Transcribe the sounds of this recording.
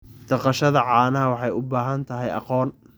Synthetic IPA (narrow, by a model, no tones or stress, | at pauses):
d̪̥ɐqɑʃɐðɐʕɑːnɐɦɐwɑħɑjʊbaːɦɐnt̪ʰɐɦɛjʔɑ̰qɔːn